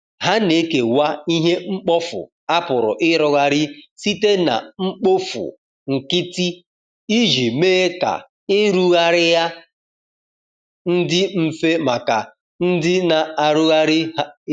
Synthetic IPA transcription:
ɦa˦ne˦ke˨wa˦i˦ɦe˦ŋ͡m̩˦k͡pɔ˦fʊ̰˨ | a˦pʊ˨ɾʊ̰˨ʔɪ˦ɾɔ˦ɣa˨ɾɪ˦si˦te˦na̰˨ŋ͡m̩˦k͡po˦fʊ̰˨ | ŋ̩˨kɪ˦ti˦ | i˦ʒi˨me˦e˦ka̰˨ | ɪ˦ɾu˦ɣa˨ɾɪ˦ja˦ | n̩˦dɪ˦m̩˦fe˦ma˨ka˨ | n̩˦dɪ˦na˨a˨ɾu˦ɣa˦ɾɪ˦

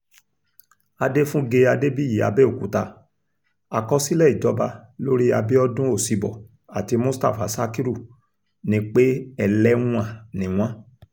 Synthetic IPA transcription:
a˧de˦fũ˦ɡe˧a˧de˦bi˦ji˨˦a̰˧bɛ˦o˦˨ku˨˦ta˧ | a˨kɔ˧si˦lɛ˦˨i˨d͡ʒɔ˨˦ba˧lo˦ɾi˦a˧be˦ɔ˦dũ˦o˦˨si˧bɔ̰˨ | a˨ti˧mũ˦sta̰˦˨fa˨˦sa˦ki˦ɾu˦˨ | nĩ˦k͡pe˦ɛ˦˨lɛ˦ŋũ˦a˦˨nĩ˨w̃ɔ̃˦

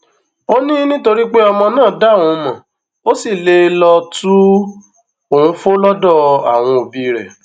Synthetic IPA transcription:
o˦nĩ˦nĩ˦to˧ɾi˦k͡pe˦ɔ˧mɔ̃˧nãː˦˨da˦˨w̃ɔ̃˨˧mã˨ | o˦si˦˨le˧˦lɔ˧tu˦ | o˨hũ˨˧˦fo˦lɔ˦dɔ˦˨a̰˨w̃ɔ̃˧o˨bi˧˨ɾɛ˨

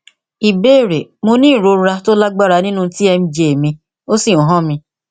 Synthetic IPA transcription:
i˨be˦˨ɾe˨mo˧nĩː˦˨ɾo˨˧˦ɾa˧to˦la˦ɡ͡ba˦˨ɾa˧nĩ˦nũ˦ti˦ɛ˧mĩ˧d͡ʒe˧e˨mĩ˧ | o˦si˦˨ũ˨ɦɔ̃˦˨mĩ˧

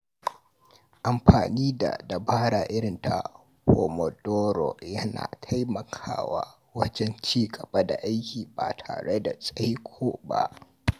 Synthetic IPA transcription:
ʔa˨mɸaː˨niː˦da̰˨dɐ˨baː˦ɽaː˨ʔɪ˦ɽɪ˨nta˨ | ho˨mɔ˨doː˦ɾo̰˨jɐ˦na̰ː˨tʰa˦jmɐ˨kʰaː˦wa˦ | wɐ˦d͡ʒɛ˦nt͡ʃiː˦ɡʼɐ˨ba˦da˨ʔa˦jkʲiː˨ba̰ː˨tʰa̰ː˨ɽe˦da˨sʼɐ˦jkʷʰoː˦ba̰˦ʔ

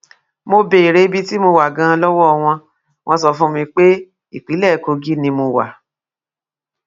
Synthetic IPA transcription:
mo˧be˨i˨ɾe˨˦bi˦ti˦mo˧wa˨ɡã˧lɔ˦wɔ˦˧w̃ɔ̃˧ | w̃ʔɔ̃˧sɔ˧fũ˦mĩ˧k͡pe˦ | i˦˨k͡pi˨˦lɛ˦˨ko˧ɡi˦nĩ˧mo˧wa̰˨

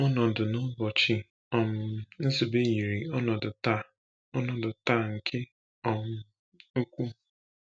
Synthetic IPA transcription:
ɔ˦nɔ˨dʊ˨nʊ˦bɔ˨t͡ʃi˨ | ɔ˨mʊ˨n̩˦zi˨be˦ji˨ɾi˨ɔ˦nɔ˨dʊ˨ta˦˨ | ɔ˦nɔ˨dʊ˨ta˦˨ŋ̩˨kʰe˦ | ɔ˨mʊ˨ | o˦kʷu˦

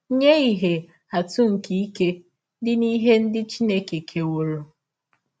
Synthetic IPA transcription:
ɲe˦i˨ɦe˨ | a˨tʊ˦ŋ̩˨ki˨i˦ke˦ | dɪ˦ni˦ɦe˦n̩˦dɪ˦t͡ʃi˦ne˦ke˨kʰe˨wo˨ɾo˨

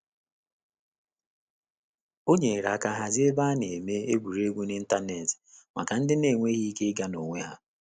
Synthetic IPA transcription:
o˦ɲe˨ɾa˨ka˨ɦa˨zɪ˦e˦ba˦ne˨me˦e˦ɡʷu˨ɾe˦ɡʷu˦ni˦n̩˦ta˦ne˨tɪ̥˨ma̰˨ka˨n̩˦dɪ˦ne˨ŋʷe˦ɣi˦i˦ke˦ɡa˦no˨ŋʷe˦ɦa˦

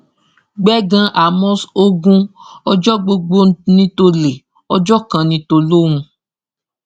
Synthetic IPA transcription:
ɡ͡bɛ˦ɡã˧ʔa˨mɔ̃˦so˦ɡũ˦ɔ˧d͡ʒɔ˦ɡ͡bo˧ɡ͡bo˧nĩ˧to˧le˨ | ɔ˧d͡ʒɔ˦kã˨nĩ˧to˧lo˦w̃ũ˧

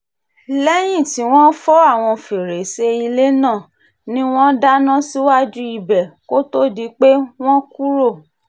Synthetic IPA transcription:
lɛ˦j̃ĩ˦˨ti˨˦w̃ɔ̃˦fɔ˦a˦˨w̃ɔ̃˧fi˨ɾe˨se˧i˧le˦nãː˦˨ | nĩ˦w̃ɔ̃˦da˦nã˦si˦wa˦d͡ʒu˦i˧bɛ˨ko˦to˦di˨˦k͡pe˦w̃ɔ̃˦ku˦ɾo˦˨

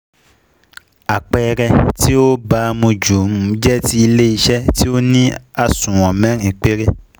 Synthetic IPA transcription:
a˨k͡pɛ˨˧ɾɛ˧ti˦o˦ba˦mũ˧d͡ʒu˨m̩˦˨˦d͡ʒɛ˦ti˦i˧le˦i˧ʃɛ˦ti˦o˦nĩ˦a˦sũ˨wɔ̃˨mɛ̃˨˦ŋ̩˨e˨k͡pe˦ɾe˦

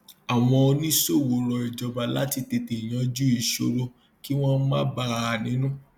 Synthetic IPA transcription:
a˨w̃ɔ̃˧o˧nĩ˦so˦˨wo˨ɾɔ˨˧i˨d͡ʒɔ˨˧ba˧la˨˦ti˧te˧te˨i˨j̃ã˨˦d͡ʒu˦i˨ʃo̰˧ɾo˧ | ki˦w̃ɔ̃˦mã˦ba˧˦˨nĩ˨˦nũ˦

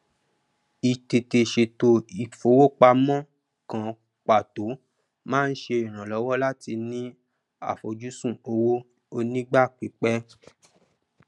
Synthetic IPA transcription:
i˨te˨te˨ʃe˨to˨i˨fo˨˦wo˦k͡pa˧mɔ̃˦ | kã˨ | k͡pa˨to˨˦ | mãː˦n̩˦ʃe˧i˨ɾ̃ã˨lɔ˨˦wɔ˦la˦ti˧nĩ˦ | a̰˦˨fo˨d͡ʒu˦sũ˦˨o˧wo˦ | o˧nĩ˦ɡ͡ba˦˨k͡pi˨˦k͡pɛ˦

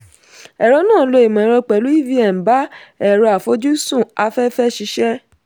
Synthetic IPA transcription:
ɛ˨ɾɔ˧˦nãː˦˨˦lo˧i˨mã˨˦ɾɔ˧k͡pɛ˨˦lu˦i˦vi˦ɛ˨ba˨˦ɛ˨ɾɔ˧a˨fo˨˦d͡ʒu˦sũ˦˨a˧fɛ˦fɛ˦ʃi˧˦ʃɛ˦

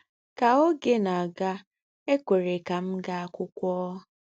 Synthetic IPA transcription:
ka˨o˦ɡe˦na˨a˨ɡa˦ | e˦kʷe˨ɾe˨ka˨m̩˦ɡa˦a˦kʷʊ˦kʷɔː˦

